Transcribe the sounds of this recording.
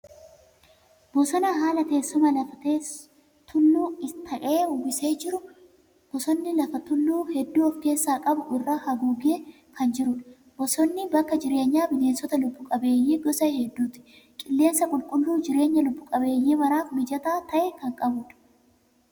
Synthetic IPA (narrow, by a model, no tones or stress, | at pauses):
bɔsɔnɐɦaːlɐt̪e̞ːsːɔmɐlɐfɐt̪eː | t̪ʊlːuːɪst̪ʰɐʔeːʊbɪse̞ːd͡ʒɪɾʊ | b̥ɔsɔnːɪlɐfɐt̪ʊlːuːhɛd̪ːuːɔfke̞ːsːaːkʼɐbʊʔɪrːahɐɡuːɡeː | kʰɐnd͡ʒɪɾʊᶑɐ | b̥ɔsɔnːɪbɐkːɐd͡ʒɪɾe̞ːɲːaːbɪneːnsɔt̪ɐlʊbːʊkʼɐbe̞ːjːiːɡɔsɐhɛd̪ːuːt̪ɪ̥ | kʼɪlːe̞ːnsɐkʼʊlkʼʊlːuːd͡ʒɪɾe̞ːɲːɐlʊbːʊkʼɐbe̞ːjːiːmɐɾaːfmɪd͡ʒɐt̪aːt̪ɐʔɛkɐŋkʼɐbʊᶑɐ̥